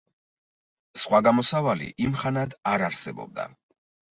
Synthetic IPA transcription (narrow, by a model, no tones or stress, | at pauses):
sχwaɡamɔsavalḭʔimχanad̪aɾaɾsɛbɔ̰b̚d̪a̰